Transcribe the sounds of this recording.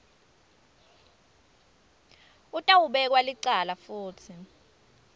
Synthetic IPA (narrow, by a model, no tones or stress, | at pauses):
utʼawuɓɛk̬waliǀalafuːtʰi